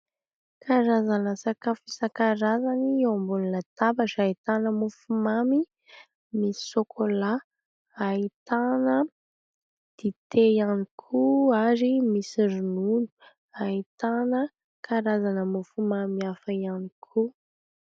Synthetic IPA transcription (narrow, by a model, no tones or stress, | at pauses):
kʰaɾazanəsakafisakaɾazaniewambulunət̪abaʈ͡ʂait̪anəmufumami | mii̥sokʰola | ait̪anə | d̪̥it̪ʰejanikʰuaɾimisiɾununu̥ | ait̪anə | kʰaɾazanəmufumamiafaianikʰu